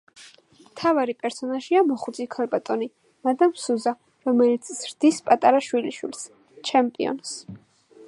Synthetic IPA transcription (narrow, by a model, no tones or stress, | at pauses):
mt̪ʰavaɾipʼɛɾsɔnaʒiamɔχud̪zikʰalbat̪ʼɔni | mad̪amsuza | ɾɔmɛlit̪sʰzɾd̪̥ispʼat̪ʼaɾaʃwiliʃwḭls | t͡ʃʰɛmpʼḭɔ̰ns